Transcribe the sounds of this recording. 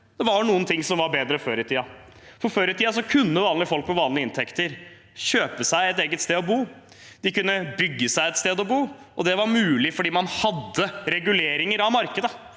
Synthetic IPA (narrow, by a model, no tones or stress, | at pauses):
d̪̥ɛʋɑɳuːənt̪ʰɪŋːsɔmʋɑɾbeːd̪ɾəføːɾɪt̪ʰiːɑ | fɔɾføːɾɪt̪ʰiːɑs̬ɔkʰʉnːəʋɑːnlɪfɔlk̚mɔʋɑːləɪnt̪ʰɛkt̪əɾ | ɕøːpəsæɪɛt̪̬eːɡət̪st̪eːɔbuː | d̪ɪkʉnːəbʏɡːəsæɪɛt̪st̪eːd̪ɔbuː | ɔd̪ɛʋɑɾmʉːlɪfɔɖiːmɑnhɑd̪ːəɾɛɡʉleːɾɪŋəɾɑʋmɑɾkəd̪ə